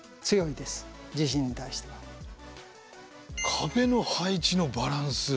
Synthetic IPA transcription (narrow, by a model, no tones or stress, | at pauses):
t͡sɨjo̞id̪e̞sɨ̥d͡ʑiɕĩɲ̟ːit̪aiɕi̥t̪e̞βa | kʰabe̞no̞hait͡ɕino̞baɾãɰ̃sɨ